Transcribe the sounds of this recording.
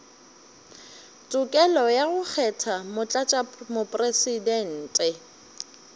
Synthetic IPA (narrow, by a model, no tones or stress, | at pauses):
tʼʊkʼɛlɔjaɣʊk͡xʰɛtʰamʊt͡ɬʼat͡ʃʼamʊpʼresidɛn̩ːtʼɛ